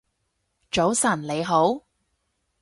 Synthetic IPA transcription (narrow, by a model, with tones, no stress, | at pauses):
t͡ʃo˨˥wsɐ˨˩nle˨˧jɦo˨˥w